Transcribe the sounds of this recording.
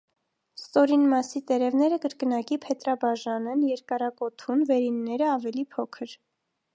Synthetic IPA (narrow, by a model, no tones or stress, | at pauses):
st̪ɔɾinmɑsit̪ɛɾɛvnɛɾəkəɾkənɑkipʰɛt̪ɾɑbɑʒɑnɛnjɛɾkɑrɑkɔt̪ʰunvɛɾinːɛɾəɑvɛlipʰɔkʰəɾ